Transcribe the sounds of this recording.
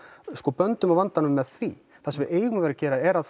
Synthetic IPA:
skɔːpœnt̪ʏmawvant̪anʏmːɛð̥θvḭ | θasɛmvɪeːjɣʏmaveːɾacɛːɾaɛɾað

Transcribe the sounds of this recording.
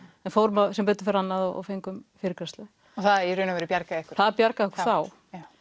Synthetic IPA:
ɛnfowɾmasɛmpœːt̪ɪ̥fɛɾanːaðɔɔ̰wfejŋkʏmfɪːɾɪkɾast̪lʏ | ɔθaðiɾʏːnavɛːɾɪpjaɾkaðɛhkʏ̥ɾ̥θaðapjaɾkaðɛhkʏɾ̥θaw

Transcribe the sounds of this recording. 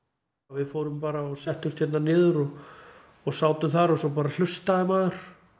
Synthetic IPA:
vɪðfoːwɾʏmpaːɾaɔsɛht̪ʏst̪ʰjɛt̪nanɪːðʏɾɔ | ɔɣsaːwt̪ʏmθaɾɔsɔp̬aːɾal̥ʏst̪aðɪmaːðʏɾ̥

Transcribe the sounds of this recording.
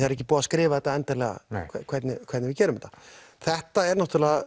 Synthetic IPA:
aɾɛcːɪpuːaskɾɪːvaθɛt̪ːaɛnt̪aɾlɛːɣa̰kʰɛkʰvɛɾt̪nɪkʰvɛɾt̪nɪvɪcɛːɾʏmɛht̪a | θɛht̪aɛɾnaht̪ʏɾlɛːɣa

